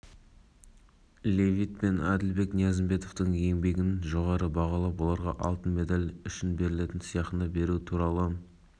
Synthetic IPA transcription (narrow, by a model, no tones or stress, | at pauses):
lʲe̞vijt̪̚pe̞næd̪ɪlbe̞knjɑzɪmbe̞t̪o̞ft̪əɴje̞ŋbe̞ɡʲɪnʒo̞ʁɑɾəbɑʁɑlˠɑpolˠɑɾʁɑ̰ʔɑ̰lˠt̪ənme̞d̪alʲʏʃɪnbe̞ɾɪle̞t̪ɪnsijɑqənɑbe̞ɾut̪ʰuɾɑlˠə